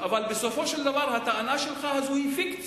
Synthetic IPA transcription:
ʔavalbesofoʃeld̪avɑɾˤhat̪aʔanaʃelxahazuhifikt̪

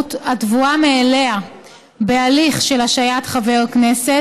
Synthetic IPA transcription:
tatvuameːlea | be̞aliχʃe̞laʃajatχaveʁaknese

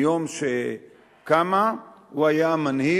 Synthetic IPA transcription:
oːmse | kɐmawɐjaːmənɦiː

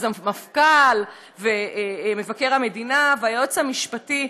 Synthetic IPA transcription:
zamafkal | veme̞vake̞ʁamedinaveajot͡samiʃpati

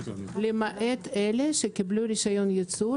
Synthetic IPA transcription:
lemaʔet̪eleʃekibluɾiʃajonjet͡su

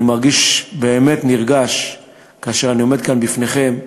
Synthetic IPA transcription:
imaʁɡiʃbeːme̞tniʁɡaʃ | kaaʃeʁanio̞med̪̚kanbifneχe̞m

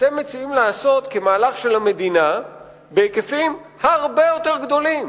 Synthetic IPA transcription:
at̪e̞mːet͡siimlaːso̞t̪ke̞maːlaχʃe̞lhame̞d̪ina | bekefim | haʁbe̞jo̞t̪eʁɡd̪o̞lim

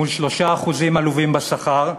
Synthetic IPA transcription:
ulʃlo̞ʃaːχuzimaluvimbasaχaʁ

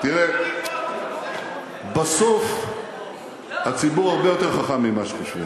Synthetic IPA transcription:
t̪iʁe | basof | at͡sibuʁaʁbe̞jo̞t̪e̞ʁχaχamːimaʃe̥kaʃvi

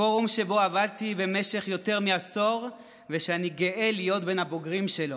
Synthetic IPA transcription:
oʁumʃe̞bo̞avad̚t̪ibe̞me̞ʃe̞χjo̞te̞ʁmiaso̞ʁ | veʃeaniɡeʔelijo̞tbe̞nhabo̞ɡʁimʃe̞lo

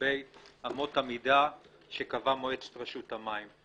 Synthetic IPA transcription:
ejamo̞tamida | ʃekavamoet͡st̪ʁaʃutamajm

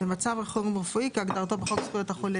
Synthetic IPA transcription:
bemat͡savʁeχoʁimʁəfuikiaɡd̪aʁt̪obeχot̪skujot̪aχole

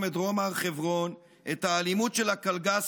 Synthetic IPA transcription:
medʁomaʁχevʁo̞n | ʔethaːlimutʃelakalɡas

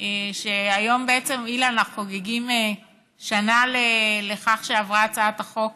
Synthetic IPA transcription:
eʃeajo̞mbeet͡se̞mileanaχχoɡeɡime | ʃanaleleχaχʃeavʁaat͡saat̪aχo̞k̚

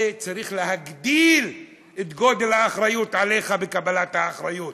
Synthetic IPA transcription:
et͡saʁiχle̞ɦaɡd̪il | et̪ɡo̞d̪e̞lhaːχɾajut̪ʕale̞χabekabalathaːχɾajut

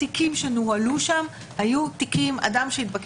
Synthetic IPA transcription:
ikimʃenualuʃam | hajut̪ikima̰d̪amʃeit̪̚bak

